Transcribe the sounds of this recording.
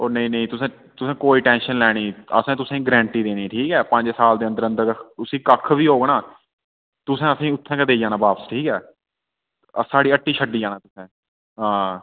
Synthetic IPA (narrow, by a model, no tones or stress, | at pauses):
oːnəĩːnəĩːt̪ʊsẽː | t̪ʊsẽːkoːiːʈɛ̃ːnʃənlɛːɽ̃iːə̰sẽːt̪ʊsẽːĩɡɾɛ̃ːɳʈiːd̪eːniːʈʰiːkɛːpə̃ɲd͡ʒsaːld̪eːə̃nd̪əɾə̃nd̪əɾʊsĩːkəkʰʋiːɦoːɡɳaː | t̪ʊsɛ̃ːəsĩːʊt̪ʰːɛ̃ːkəd̪eːd͡ʒaːnaːbaːpəsʈʰiːkɛː | saːɽiːəʈʰːiːʃʰəɖːiːd͡ʒaːnãːt̪ʊsẽː | ɦãː